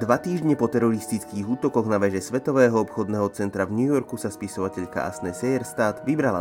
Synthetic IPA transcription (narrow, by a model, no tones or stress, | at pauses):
d̪ʋat̪iːʒɲɛpɔt̪ɛɾɔɾist̪it͡skiːɣuːt̪ɔkɔɣnaʋɛʒɛsʋɛt̪ɔʋɛːɦɔɔpxɔd̪nɛːɦɔt͡sɛnt̪ɾavɲujɔɾkusaspisɔʋacɛʎka̰a̰snɛsɛjɛɾst̪aːd̪ʋibɾala̰